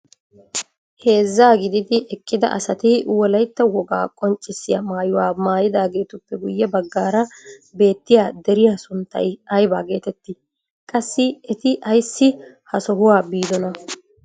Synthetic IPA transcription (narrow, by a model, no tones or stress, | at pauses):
he̞ːzːaːɡɪd̪ɪd̪ɪʔɛkʼːɪd̪ɐ̰ʔɐ̰sɐt̪ɪwɔlɐjt̪ːɐwɔɡa̰ːkʼɔnt͡ʃʼːɪsːɪjɐmaːjʊwaːmaːjɪd̪aːɡe̞ːt̪ʊpːɛɡʊjːɛbɐɡːaːɾɐbe̞ːt̪ːɪjaːd̪ɛɾɪjaːsʊnt̪ːɐ̰jɐjbaːɡe̞ːt̪ɛt̪ːɪ | kʼɐsːɪɛt̪ɪʔɐjsːɪ | hɐsɔɦʊwaːbiːd̪ɔnɐ